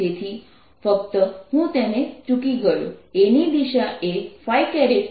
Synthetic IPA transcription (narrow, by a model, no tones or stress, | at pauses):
et̪ʰi | fəkt̪əɦũt̪enet͡ʃukiɡəjṵ̃enid̪iʃaʔefajkɛɾe